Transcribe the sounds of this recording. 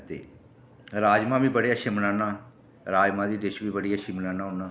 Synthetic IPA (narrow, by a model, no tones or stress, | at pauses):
t̪ḛː | ɾaːd͡ʒmãːbiːbəɽeːəʃimənãːnãː | ɾaːd͡ʒmãːd̪iːɖeʃʋiːbəɽiːəʃiːmənaːnãːɦʊnãː